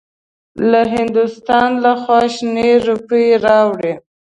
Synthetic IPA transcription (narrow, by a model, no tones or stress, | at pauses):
laɦɪnd̪ʊst̪ɑnlaxwɑʃneɾupəjeɾɑwɽe